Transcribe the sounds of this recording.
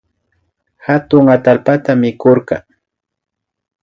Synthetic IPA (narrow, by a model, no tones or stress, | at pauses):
hat̪ʊŋat̪alpat̪amɪkoɾqɑ